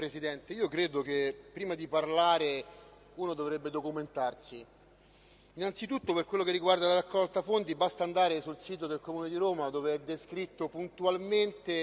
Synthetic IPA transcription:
pɾesid̪ɛnt̪eiːokɾeːd̪ok̟epːɾiːmad̪iparlaːɾe | uːnod̪ovɾɛbːed̪okument̪arsi | inːant̪sit̪ut̪ːoperkwelːok̬erːiɡward̪alaɾakːɔlt̪afont̪ibast̪aːnd̪aːɾesulsiːt̪̬od̪elkomuːned̪iɾoːmad̪oːveɛd̪ːeskɾit̪ːopunt̪ualment̪e

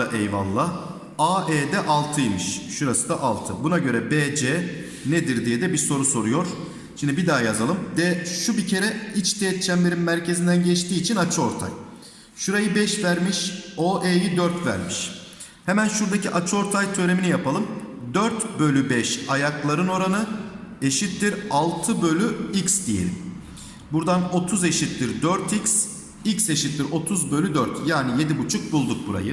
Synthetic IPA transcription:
aʔejva̰lˠːa | aːʔeːd̪ɛʔalˠt̪ʰɯjmɯʃʃuɾasɯd̪aʔa̰lˠt̪ʰɯbunaɟø̞ɾɛbeːd͡ʒeː | ned̪iɾd̪ijɛd̪ɛbiɾso̞ɾuso̞ɾujo̞ɾ̥ | ʃimnd̪ibid̪aːjazalˠɯmd̪ɛʃubicʰe̞ɾɛit͡ʃt̪ʰeːt̪̚t͡ʃʰæmleɾimːæɾcʰe̞zind̪ænɟɛt͡ʃt̪iːt͡ʃʰinat͡ʃʰɯo̞ɾt̪ʰa̰j | ʃuɾajɯbɛʃvæɾmiʃoʔeːjid̪øɾt̪væ̰ɾmiʃ | hemænʃuɾd̪acʰiʔat͡ʃʰɯo̞ɾt̪ʰajt̪ʰø̞ɾe̞minijapʰalˠɯmd̪øɾt̪bø̞lʲybɛʃajaklˠaɾɯno̞ɾanɯe̞ʃit̪ːiɾalˠt̪ʰɯbø̞lʲyiksd̪ijḛlʲḭm | buɾd̪ano̞t̪ʰuze̞ʃit̪liɾd̪øɾt̪ʰics | icse̞ʃit̪ːʲiɾo̞t̪ʰuzbø̞lʲyd̪øɾt̪jaːnije̞d̪ibut͡ʃʰuk̚bulˠd̪uk̚buɾa̰jɯ

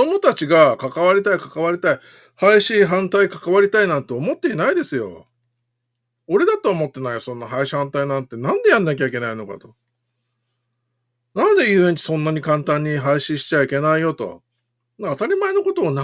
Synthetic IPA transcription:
omo̞t̪at͡ɕiɡakakaβ̞aɾʲit̪aikḁkaβ̞aɾʲit̪ai | haiɕiːɦãnt̪aikḁkaβaɾʲit̪ainãnt̪e̞ːmo̞t̪ːe̞inaid̪e̞sɨjo̞̰ | oɾe̞d̪at̪oːmo̞t̪ːe̞naijosõ̞nːaɦaiɕi̥hãnt̪ainãnt̪e̞nãnd̪e̞jãnːak̬ʲaikʲe̞naino̞ka̰t̪o̞ | nãnd̪e̞jɯːẽ̞ɲ̟t͡ɕi̥sõ̞nːaɲ̟ikãnt̪ãɲ̟ːiɦaiɕĩɕi̥t͡ɕaikʲe̞naijo̞t̪o̞̰ | naːt̪aɾʲimaeno̞ko̞t̪o̞ːna

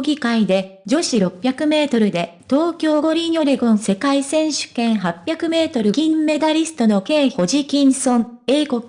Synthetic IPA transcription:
ɡʲikaid̪e̞d͡ʑo̞ɕiɾo̞pʲːjakɯ̟me̞ːt̪o̞ɾɯ̟d̪e̞t̪o̞ːkʲo̞ːɡo̞ɾʲiɲoɾeɡõ̞ñse̞kaisẽ̞ɰ̃ɕɨ̥kẽ̞ɰ̃ɦapʲːjakɯ̟me̞ːt̪o̞ɾɯ̟kĩmːe̞d̪aɾʲisɨ̥t̪o̞no̞ke̞ːho̞ʑikʲĩɰ̃sõ̞ɴeːkok

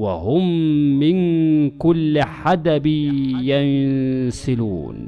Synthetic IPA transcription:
wa̰hʊmːɪnkʊlːɪħad̪abɪjansɪlṵːn

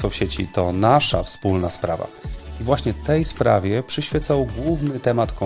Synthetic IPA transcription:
ɔfɕet͡ɕḭt̪ɔnaʂa̰fspulnaspɾa̰va̰ivwaɕɲɛt̪ɛjspɾa̰vʲjɛpʂɘɕfʲjɛt̪sawɡwuvnɘt̪ɛmat̪kɔ̃

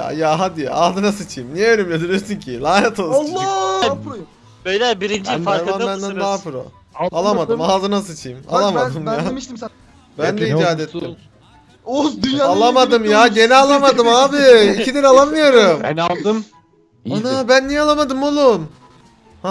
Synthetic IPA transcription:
a̰jaɦad̪iaːzɯnasɯt͡ʃʰɯjɯmnijɛønymlʲed̪iɾijosyɲcʰilaːɦɛt̪ʰolˠlˠː | bøjlʲɛbiɾind͡ʒifaɾmanbænd̪ænaɦafɯɾo̰ | alˠamad̪ɯmaːzɯnas̬ɯt͡ʃʰɯjɯma̰lˠamad̪ɯmjaiʃi | bænd̪ɛid͡ʒaːd̪ɛt̪ːi | od̪yjaalˠamad̪ɯmjaɟe̞nɛalˠamad̪ɯmaːbɪicʰid̪iɾalˠamɯjo̞ɾɯmnlˠd̪ɯm | anabænːijɛalˠamad̪ɯmolˠun | ha

